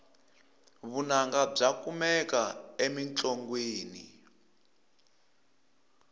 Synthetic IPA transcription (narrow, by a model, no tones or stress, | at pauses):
βunaŋɡab͡ʐakumɛkaemint͡ɬʼoŋɡweːnḭ